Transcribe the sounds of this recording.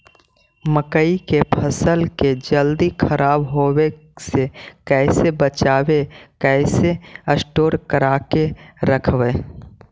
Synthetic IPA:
məkəikepʰəsəlked͡ʒəld̪ikʰəɾaːbɦoːwe | sekɛːsebət͡ʃaːwekɛːseəsʈoːɾkəɾaːkeɾəkʰʋe

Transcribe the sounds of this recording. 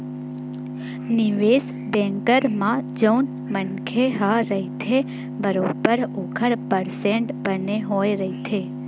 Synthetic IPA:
niʋes | bɛ̃ŋkəɾmãd͡ʒəwn | mənkʰeɦaɾəɦit̪ʰe | bəɾobəɾokʰəɾpəɾsẽɳʈbəneɦojɾəɦit̪ʰe

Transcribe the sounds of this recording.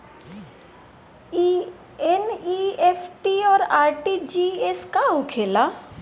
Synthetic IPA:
eniepʰʈiɔːɾaːɾʈid͡ʒieskaɦʊkʰeːla

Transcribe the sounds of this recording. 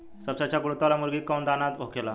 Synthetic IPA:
səbsat͡ɕjaɡuɾot̪alamuɾɡiːkawnd̪anat̪ʋokʰela

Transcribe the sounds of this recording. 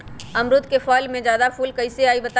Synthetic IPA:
ɐmɾʊt̪kefɔːlmẽd͡ʒjaːd̪afuːlkɐɪseaːibɐt̪a

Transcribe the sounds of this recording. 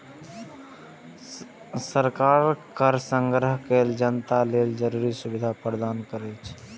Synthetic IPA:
səɾkaːɾkəɾsə̃ŋɡɾəɦkeːld͡ʒənt̪aleːld͡ʒəɾuɾisubɪd̪ʱapɾəd̪aːnkəɾet͡ʃʰ

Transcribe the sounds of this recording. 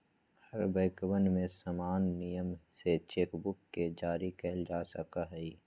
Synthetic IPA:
hɐɾbəɪkbənmẽsamaːnːijəmset͡ʃeːkbʊkːed͡ʒaːɾikɛːld͡ʒaːsəkaɦɛi

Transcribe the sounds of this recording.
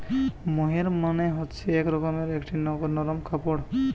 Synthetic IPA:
mɔɦiɾməneɦɔtt͡ʃʰiekɾɔkɔmeɾekʈinɔknɔɾɔmkʰapɔɽ

